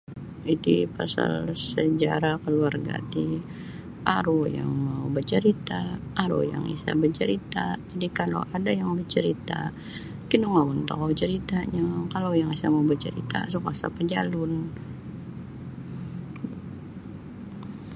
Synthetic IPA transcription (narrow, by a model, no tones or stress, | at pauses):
it̪upasa̰lsəd͡ʒaɾakəluarɡa̰t̪i | ʔaɾujaŋmaubərt͡ʃəɾit̪aʔːɾṵja̰ŋḭsa̰bərt͡ʃəɾit̪ad͡ʒadikalo̰wʔadajaŋbərt͡ʃəɾit̪a̰ | kinumaunt̪a̰ɦawt͡ʃəɾit̪aɲakalajaŋisamaubərt͡ʃəɾḭt̪a̰s̬ukasa̰pəd͡ʒalʊn